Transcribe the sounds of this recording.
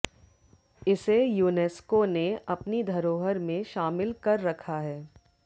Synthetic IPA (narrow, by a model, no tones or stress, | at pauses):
ɪsejuːneːskoneɐpnid̪ʱɐɾoːɦəɾmẽʃaːmɪlkɐɾːɐkʰaɦɛː